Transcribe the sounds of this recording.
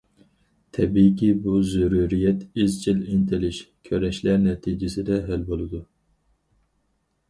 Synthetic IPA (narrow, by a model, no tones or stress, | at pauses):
t̪ʰɛbikʲibuzyɾuɾijɛt̪izt͡ʃʰilɪnt̪ʰɪlɪʃkʲʰøɾɛʃlæɾnɛt̪ʰid͡ʒɪsɪd̪ɛɦælbolˠɨd̪u